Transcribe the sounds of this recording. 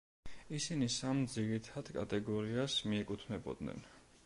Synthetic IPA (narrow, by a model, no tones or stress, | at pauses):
isinisamd̪ziɾit̪ʰad̪̥kʼa̰t̪ʼɛɡɔɾiasmiɛkʼut̪ʰnɛbɔ̰d̪nɛ̰n